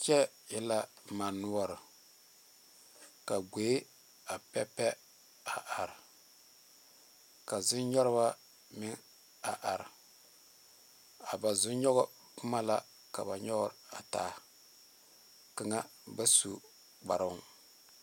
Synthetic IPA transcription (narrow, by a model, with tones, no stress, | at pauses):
t͡ʃɛ˦ | jɛ˦la˦ma˨nːu˦ɔ˦ɾɨ˨ | ka˨ɡe˨˦ | a˨pɛ˦pɛ˦ | a˨ʔa˨ɾɪ˨ | ka˨zʊ˦nɲɔ˦ɾɨ˦ba˦ | mɪ˦ŋ | a˨ʔa˨ɾɪ˨ | a˨ba˨zʊ˦ɲɔ˦ɣɔ˦ | pʊ˦ma˦la˦ | ka˨ba˨ɲɔ˦ɡɔ˦ɾa˨ta̰ː˨˦˨ | kɨ˦ŋa˦ | ba˦su˦ | k͡pa˨ɾa˦